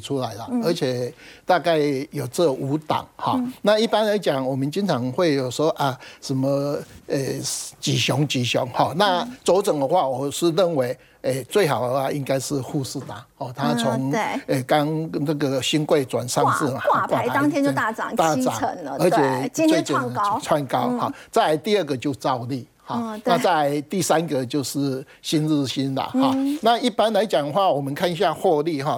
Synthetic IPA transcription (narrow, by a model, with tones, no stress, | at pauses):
t͡sʰu˦˥la˨˦ɪlə˨ə˧˥t͡ɕʰjɛ˨˩t̪a˥˧ka˥˩ɪjo˨˩ʊt͡sə˥˧u˨˥t̪a̰˨˩˦ŋhɔ˥˨na˥˧i˥˩pa˥˦nla˧˦ɪt͡ɕja˨˩ŋwɔ˨˩mə˨nt͡ɕi˦˥ŋt͡sʰɑ˧˦ŋxwe˥˩ɪjo˨˩ʊsɔ˥˦˩ʔa˨˩ʂə˨˦nmə˧e˨˩t͡ɕi˨˩ɕjɔ˧˦ŋt͡ɕi˨˩ɕjɔ˨˦ŋhɔ˥˩na˥˧t͡so˧˥ʊt͡sə˨˩ŋd̪ə˧xwa˥˨wɔ˨˩ʂ̩˥˧lə˥˩nwe˨˦ɪ | e˥˧t͡swe˥˩ɪɦa˨˩ʊd̪ə˧˩wa˥˩ʔi˦ŋka˥ɪʂɻ̩˥˧hu˥˧sɹ̩˥˧˩t̪a̰˨˦hɔ˥˨t̪ʰa˦t͡sʰɔ˨˦ŋe˨˩ka˦˥ŋna˥˩ɡə˩ɕi˦nkwe˥˨ɪt͡swa̰˨˩nʂɑ˥˧ŋt͡sɹ̩˥˨˩kwa˥˨˥ŋt̪jɛ˥nt͡ɕjo˥˧t̪a˥˧˩t͡sɑ̰˨˩ŋt̪a˥˨t͡sa̰˨˦˨n˧ə˧˦t͡ɕʰjɛ˨˩t͡swe˥˧t͡ɕɛ˨n˨˦t͡sʰwa˥nka˦ʊhɔ̰˥˨t͡sa˥˧ɪt̪i˥˧ə˥˩ɡə˨t͡ɕjo˥˧ʊt͡sɑ˥˧ʊli˥˩ | hɔ˥˨na˥˧t͡sa˥˧ɪt̪i˥˨sa˦nɡə˨t͡ɕjo˥˧ʊʂɻ̩˥˩ | ɕi˦˥nɻ̩˥˩ɕi˦˥nlə̰˨hɔ̰˥˨na˥˧i˥˩pa˦nla˧˦ɪt͡ɕja˨˩ŋd̪ə˨xwa˥˩wɔ˨˩mə˨˦nkʰa˥˧ni˨˧ɕ̬ja˥˧hwɔ˥˧li˥˨ɦɔ˥˨